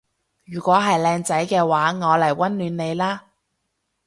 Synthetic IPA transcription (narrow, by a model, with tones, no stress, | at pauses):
jyː˨˩kʷɔː˨˥ɦɐ˨jlɛː˧ŋt͡sɐ˨˥jkɛː˧waː˨˥ŋɔː˨˧lɐ˨˩jwɐ˥nlyː˨˥nne˨˧jlaː˥